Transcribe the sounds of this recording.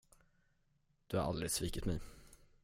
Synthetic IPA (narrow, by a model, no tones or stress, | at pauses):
d̪̥ʉha̰ɾʔɑ̰ld̪ɾɪsviːkət̪mɛɪ